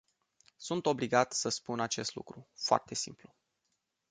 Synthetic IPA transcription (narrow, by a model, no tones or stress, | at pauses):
sunt̪o̞bliɡat̪səspunat͡ʃe̞st̪lṵkɾufoa̰rt̪e̞sḭmplu